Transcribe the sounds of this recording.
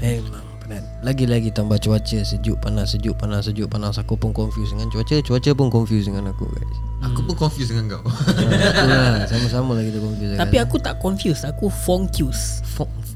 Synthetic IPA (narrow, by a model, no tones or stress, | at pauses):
emaŋpənan | laɡilaɡit̪ambat͡ʃuat͡ʃəsəd͡ʒuʔpanasəd͡ʒuʔpanasəd͡ʒuʔpanasakupʊnkɔnfjusdəŋant͡ʃuat͡ʃət͡ʃuat͡ʃəp̬ʊnkɔnfjusdəŋanakṵɡa̰js | akupukɔnfjus̬dəŋaŋɡawakullasamasamalaɡit̪akɔnfjusɡt̪ajsiakut̪aʔkɔnfjusakufɔŋkjus | fɔŋ